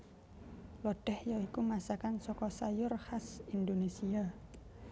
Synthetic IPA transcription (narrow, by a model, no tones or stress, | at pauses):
lɔɖ̥ɛhjɔikumasakansɔkɔsajʊrhasindonesia